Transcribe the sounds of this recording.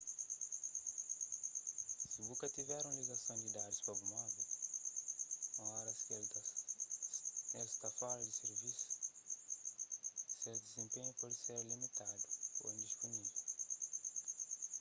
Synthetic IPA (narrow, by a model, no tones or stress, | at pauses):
sibukɐt̪ivɛɾũliɡɐsɐ̃w̃d̪id̪ad̪ispɐbumabu | õɔɾɐskeld̪ɐs | elst̪afaɾɐd̪iseɾvisu̥ | seɾd̪izẽmpẽɲupɔd̪iseɾlimit̪ad̪uo̰ĩnd̪ispunivew